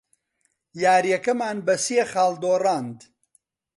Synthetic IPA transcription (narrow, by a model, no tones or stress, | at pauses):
jaːɾjɐkɐmaːnbɐsiexaːld̪oːraːnd̪